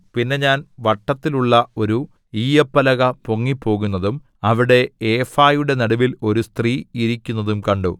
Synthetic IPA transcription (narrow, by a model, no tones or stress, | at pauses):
pinːe̞ɲaːnʋɐʈːɐt̪ːiluɭːɐo̞ɾu | iːjɐpːɐlɐɣɐpo̞ŋːipːo̞ːɣun̪ːɐðum | ɐʋiɽe̞eːfaːjuɽe̞nɐɽuʋilo̞ɾust̪riːiɾikʲːunːɐðumkɐɳɖu